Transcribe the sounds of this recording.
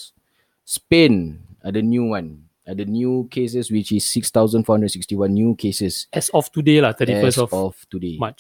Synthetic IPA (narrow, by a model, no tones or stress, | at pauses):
spẽnadənjuwãn | adənjukʰes̬əswit͡ʃisːikst̪aʊzə̃nfɔhãndɹə̃nsikstiwãnːjukʰesəsɛsɔftudelat̪ʰətiɛfəsɔfɔftudemat͡ʃ